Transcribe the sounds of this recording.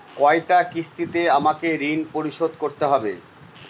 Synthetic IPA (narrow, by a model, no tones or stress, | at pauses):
kɔeʈakist̪it̪eamakeɾinpoɾiʃod̪̚ʱkoɾt̪eɦɔbḛ